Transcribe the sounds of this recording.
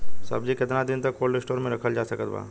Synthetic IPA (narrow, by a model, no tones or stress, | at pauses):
sɐ̰bd͡ʒikɪt̪nad̪ɪnt̪ɐkːoːlɖɪsʈoːɾmẽɾɐkʰəld͡ʒaːsɐkət̪ba̰ː